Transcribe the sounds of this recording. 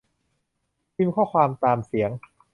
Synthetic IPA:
i˧˥˩mkʰɔː˥˩kʰwaː˧mt̪aː˧msi˩˦əŋ

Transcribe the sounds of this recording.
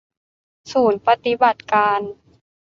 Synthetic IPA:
suː˨˩˦npa˧t̪i˧˦ba˨˩t̪̚kaː˧n

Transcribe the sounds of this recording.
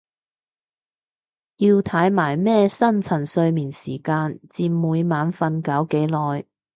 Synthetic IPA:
jiː˧wt̪ʰɐ˨˥jmaː˨˩jmɛː˥sɐ˥nt͡sʰɐ˨˩nsɵ˧ɥmiː˨˩nsiː˨˩kaː˧nt͡siː˧nmuː˨˧jmaː˨˧nfɐ˧nkɐ˨˥wke˨˥jlɔː˨˩j

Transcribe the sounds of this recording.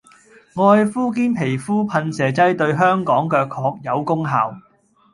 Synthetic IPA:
ŋɔː˧jfuː˥k̬iː˥npʰe˨˩jfuː˥pʰɐ˧nsɛː˨˩t͡sɐ˥jt̪ɵ˧ɥɦœː˥ŋkɔː˨˥ŋkœː˧kʰːɔː˧k̚jɐ˨˧wkʊ˥ŋɦaː˨w

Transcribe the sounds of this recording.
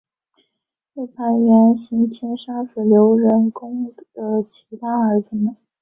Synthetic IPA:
te˥˩ɪp̪ʰa˧˥njɛ˧˥nɕy˧˥nt͡ɕʰɛ˥nʂa˥sɹ̩˨˩ljo˧˥ʊɻə˧˥nkʊ˥ŋə˩t͡ɕʰi˧˥t̪a˥˩ə˞˧˥t͡sɹ̩˧˩mə˩n

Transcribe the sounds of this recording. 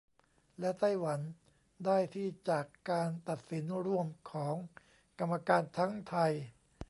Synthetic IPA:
lɛ˦˥t̪a˥˩jwa˩˦n | daː˥˩jt̪ʰiː˥˩t͡ɕaː˨˩kːaː˧nt̪a˨˩t̪̚si˩˦nɾu˥˩əmkʰɔː˩˦ŋ | ka˧mːa˧kaː˧nt̪ʰa˦˥ŋt̪ʰa˧j

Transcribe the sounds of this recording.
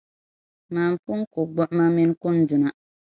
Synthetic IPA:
maː˨m˨fʊ˦n˦kʊ˨ɡ͡bɔ˦ʔma˦mɪ˦n˦kʊ˦ndʊ˨na˦

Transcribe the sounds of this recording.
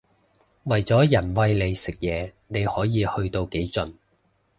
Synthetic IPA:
wɐ˨jt͡sɔː˨˥jɐ˨˩nwɐ˧jle˨˧jsɪ˨k̚jɛː˨˧ | ne˨˧jhɔː˨˥jiː˨˧hɵ˧ɥt̪o˧wke˨˥jt͡sɵ˨n

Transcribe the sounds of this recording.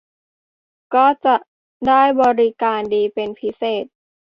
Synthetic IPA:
kɔː˥˩t͡ɕa˨˩ʔ | daː˥˩jbɔː˧ɾi˦˧kaː˧ndiː˧pe˧npʰi˦˥seː˨˩t̪̚

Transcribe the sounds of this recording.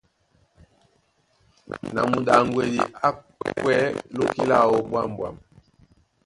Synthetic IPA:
na̰˨mu˨da˨ŋɡwe˨di˨a˦ | kwɛ˦lo˦ki˦la˦˨wɔ˨bwa˦m˨bwa̰˨m

